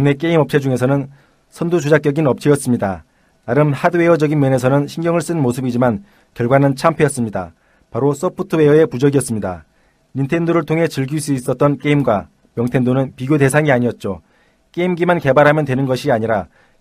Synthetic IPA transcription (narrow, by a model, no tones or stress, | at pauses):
ɯne̞k̬͈e̞imʌp̚t͡ɕ͈ʰed͡ʑuŋe̞sʰʌnɯn | sʰʌndud͡ʑud͡ʑak͈jʌɡinʌp̚t͡ɕ͈ʰiʌs͈ɯmɲida̰ | naɾɯmhadɯwe̞ʌd͡ʑʌɡinmjʌne̞sʰʌnɯnɕʰinɡjʌŋɯɭs͈ɯnnmosʰɯbid͡ʑiman | kjʌɭɡwanɯnt͡ɕʰampʰejʌs͈ɯmɲida̰ | paɾos͈ʌpʰutʰɯwe̞ʌe̞pud͡ʑʌɡiʌs͈ɯmɲida̰ | ɲintʰe̞ndoɾɯɭtʰoŋɦe̞t͡ɕɯɭɡiɭs͈uis͈ʌt̚t͈ʌnk͈e̞imɡwa | mjʌŋtʰe̞ndonɯnpiɡjode̞sʰaŋiaɲiʌt̚t͡ɕ͈o | k͈e̞imɡimanke̞baɾɦamjʌndwe̞nɯnɡʌɕʰiaɲiɾa